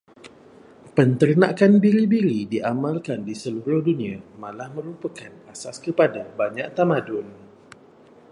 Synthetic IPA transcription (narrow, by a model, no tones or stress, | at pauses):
pənt̪ərnakanbiɾibiɾidiʔamãlkandisəluɾʊhduniamãlahmə̃ɾupəkanasaskəpadabaɲãʔt̪amadʊn